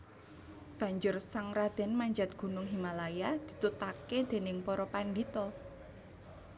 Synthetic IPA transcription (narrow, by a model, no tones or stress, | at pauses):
b̥ä̤ɲd͡ʒʊrsaŋrad̪̥ɛ̤nmaɲd͡ʒat̪̚ɡ̥ṳnʊŋɦimalajad̪̥i̤t̪ut̪aked̪̥e̤nɪŋpɔɾɔpand̪it̪ɔ